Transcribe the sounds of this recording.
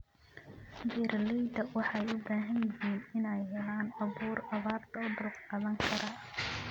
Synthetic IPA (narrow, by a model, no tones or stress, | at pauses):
biːɾlɛjd̪ɐwɑħɑjʊbaːɦɐnjɪɦiːnɪnɛjhɛlaːnɑβuːrɑβaːrt̪ʰɐʊd̪ʊlqqɑðɐŋkʰɐɾɐ